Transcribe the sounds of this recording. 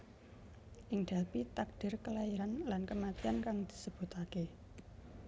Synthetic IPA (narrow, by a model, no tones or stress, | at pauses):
ʔɪŋd̪̥a̤lpit̪ak̚d̥ɪ̤rkəlaiɾanlankəmat̪iankaŋd̪̥i̥̤səb̥ṳt̪ake